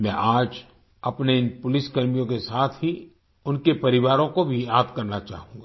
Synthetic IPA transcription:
mɛ̃ʔaːd͡ʒ | ɐpneɪnpʊlɪskɐɾmijõkesaːt̪ʰɦi | ʊnkepɐɾɪʋaːɾõkobʱiaːt̪kɐɾnat͡ʃa̰ːɦũːɡaː

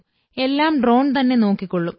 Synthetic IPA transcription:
e̞lːaːmɖro̞ːɳt̪ɐnːe̞no̞ːkːikːo̞ɭːum

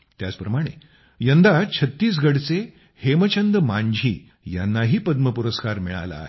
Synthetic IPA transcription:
t̪jat͡spɾəmaɽ̃ḛ | jənd̪at͡ɕʰət̪ːiːs̬ɡəɽt͡se | hemət͡ɕʰənd̪əmaɲd͡ʑʱḭː | ja̰nːaɦiːpəd̪məpuɾəskaɾmiɭa̰la̰ɦe

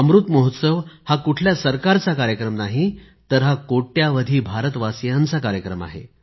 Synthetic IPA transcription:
əmɾut̪moɦut̪səʋhakuʈʰljasəɾkaɾt͡sakaɾjəkɾəmnaɦi | t̪əɾɦakoʈjaʋəd̪ʱiːbʱaɾət̪ʋasjant͡sakaɾjəkɾəma̰ɦḛ

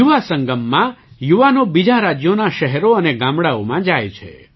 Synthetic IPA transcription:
juʋasəŋɡəmːãjuʋanobid͡ʒaɾad͡ʒjonaʃɛɦɛɾoəneɡãmɽaomãd͡ʒajt͡ʃʰḛ

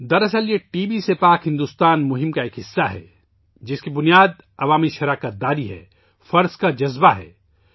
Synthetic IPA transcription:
d̪ɐɾɐsəljeʈiːbisepaːkɦɪ̃nd̪uːst̪aːnmʊɦɪ̃mkaeːkɦɪsːaɦɛ̰ | d͡ʒɪskibʊnijaːd̪ | ɐʋaːmiʃɐɾaːkət̪̚d̪aːɾiɦɛ̰ː | fɐɾzkad͡ʒɐzbaɦɛ̰ː

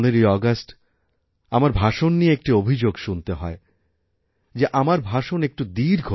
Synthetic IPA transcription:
neɾijɔɡasʈ | amaɾbʱaʃonːieek̚ʈiobʱid͡ʑoɡʃunt̪eɦɔe | d͡ʑeʔamaɾbʱaʃonek̚ʈud̪iɾɡʱo

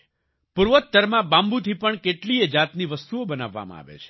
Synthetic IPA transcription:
puɾʋət̪ːəɾmãbãmbut̪ʰipəɳkeʈlied͡ʒat̪niʋəst̪uobənaʋːa̰mã̰a̰ʋḛt͡ʃʰe̥

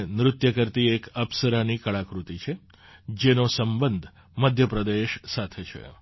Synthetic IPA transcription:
nɾʊt̪jəkəɾt̪iekəpsəɾanikəɭakɾut̪it͡ʃʰe | d͡ʒenosəmbənd̪ʱ | məd̪ʱjəpɾəd̪eʃsat̪ʰet͡ʃʰḛ

